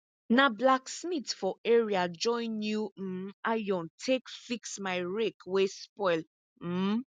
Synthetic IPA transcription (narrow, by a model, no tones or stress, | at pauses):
nablaksmitfɔʔeɹiad͡ʒɔ̃ɪ̃njum̩ajɔ̃ntʰekfiksmaɪɹekwespɔɪl̩